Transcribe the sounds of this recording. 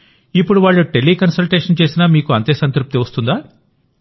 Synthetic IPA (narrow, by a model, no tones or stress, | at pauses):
ipːuɽuʋaːɭːuʈelːiːkɐnsɐlʈeːʂɐnt͡ʃe̞ːsinamiːkuɐnt̪eːsɐnt̪ɾup̚t̪iʋɐst̪und̪aː